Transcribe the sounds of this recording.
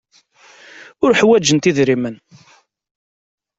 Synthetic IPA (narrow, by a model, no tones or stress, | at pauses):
ʊɾħwæd͡ʒənt̪iðɾimən